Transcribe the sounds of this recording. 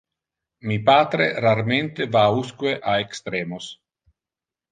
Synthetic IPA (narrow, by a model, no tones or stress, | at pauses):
mipaːt̪ɾḛraɾment̪evauskweʔaekst̪ɾeːmos